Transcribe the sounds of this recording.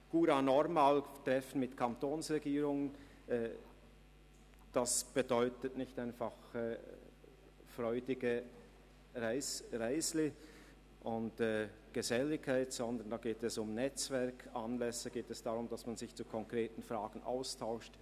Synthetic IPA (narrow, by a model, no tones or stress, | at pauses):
ɡ̥uːɾaːnɔʁmaːltʁ̥ɛfən̩mɪtkʰantoːnsʁɛɡiːʁʊŋən | ʔɛː | d̥asb̥ədɔʏtətnɪçtaɪnfaχɛː | fʁɔʏdɪɡə | ʁaɪsʁaɪslɪ | ʔʊntɛː | ɡ̥əzɛlɪçkʰːaɪtz̥ɔndənd̥aːɡeːtɛsʊmnɛt͡svɛɐkʰanlɛsəɡ̥eːtɛsd̥aʁʊmd̥asmanzɪçt͡sukʰɔŋkʁeːtn̩fʁaːɡ̥ən̩ʔa̰ʊstʰaʊʃt